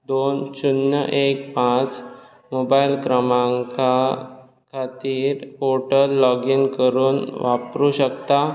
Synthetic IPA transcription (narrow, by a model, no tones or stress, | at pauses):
d̪onɕunːə̰ʔek̚pãt͡s | mobailkɾəmãŋka | kʰat̪iːɾoʈəlːɔɡinkəɾuːnʋapɾuɕəkt̪a